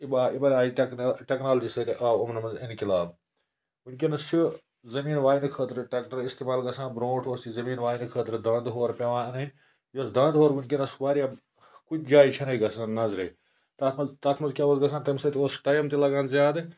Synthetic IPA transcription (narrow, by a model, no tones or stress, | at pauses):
ibaːibɐlʲaːiʈknʈʲeknaːlɐd͡ʒisɐt̪iʔaːwɐmnɐmɐzinkilaːb | unʲk̬ʲinɐst͡ʃʰu | zɐmiːnʋaːinkʰəːt̪ɾɨʈʲɐkʈɐɾist̪iːmaːlɡɐsʰãːnbɾõːʈʰoːsizɐmiːnʋaːjnkʰəːt̪ɾɨd̪ɐ̃ːnd̪ɦoːɾpʲɐʋãːɐnɐnʲ | josd̪ɐ̃ːnd̪ɦoːɾʋunʲkinɐsʋaːɾʲija | kut͡ʃʰd͡ʒaːit͡ʃʰɐnɐiɡɐsʰaːnnɐzɾɐi | t̪at̪ʰmɐzt̪aːt̪ʰmɐzkʲaːʋɐzɡɐsʰaːnt̪ɐmsɐt̪ioːsʈɐjɐmt̪ilɐɡaːnzʲjaːd̪ɨ